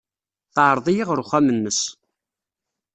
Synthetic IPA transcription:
θʕɾˤðˤijiʁɾʊχæmənːəs

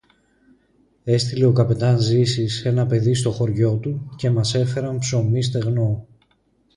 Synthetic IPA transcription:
e̞st̪ile̞o̞kɐpe̞t̪ɐnzisise̞nɐpe̞ðist̪o̞xo̞ɾʝo̞t̪uce̞mɐse̞fe̞ɾɐmpso̞mist̪e̞ɣno̞

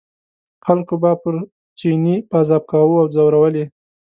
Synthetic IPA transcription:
xalkobapəɾ | t͡ʃinipazɑb̚kɑwuawzawɾawəle

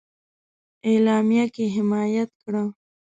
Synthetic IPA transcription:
elɑmijakeɦɪmɑjat̪̚kɽa

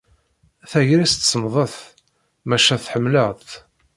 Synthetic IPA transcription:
θæʝɾist̪səmðˤəθ | mæʃæθħəmːləʁt̪

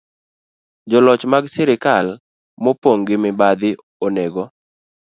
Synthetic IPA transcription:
d͡ʒɔlɔt͡ʃmaɡsɛɾɪkal | mopoŋɡɪmɪbad̪ɪ | oneɡɔ

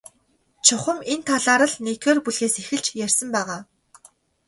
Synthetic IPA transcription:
t͡ɕʰʊχə̆ment̪ʰaɮaːɾə̆ɮnekeːrpuɮɣeːsexɘ̆ɮt͡ɕjærʲsə̆mpæːʁaː

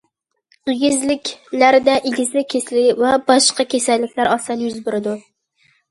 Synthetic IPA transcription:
ɪɡʲɪzlɪkʲlaɾɪd̪aʔɪɡʲɪzlɪkʲʰeslɪkʲvabɒʃqɑkʲʰesalːɪkʲlaɾɒst̪anjʊzbʊɾɪd̪ʊ

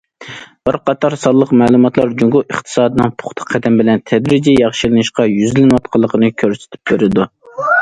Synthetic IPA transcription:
b̥əɾqɑt̪ʰɑɾsɑlˠːəqmɛːlˠumɑt̪lˠɑɾd͡ʒuŋɡʊəχt̪ʰɨ̥sɑːd̪ɨnɨŋpʰʊ̥χt̪ʰɑ̥qʰːæd̪ɛmbɪlɛnt̪ʰɛd̪ɾɪd͡ʒijɑχʃilɨnɨʃqɑjyzlɪnwɑt̪̚qʰəlˠːəqʰənɨkʲʰøɾsɪ̥t̪ʰy̥p̚beɾɪd̪u

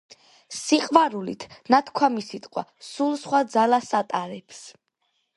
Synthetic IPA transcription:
siqʼvaɾulit̪ʰnat̪ʰkʰwamisit̪ʼqʼwa̰sulˠsχwad̪zalasat̪ʼaɾɛps

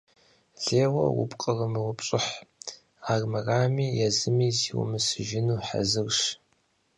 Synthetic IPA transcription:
ɮeːwɐ̰wʊ̰pʼqʼəʁɐmɨwʊpɕʼɪħ | aːrmɐraːmiːjɛzɨmiːziwʊ̰mɨsɨʒɪnuːħa̰zɨrʂ

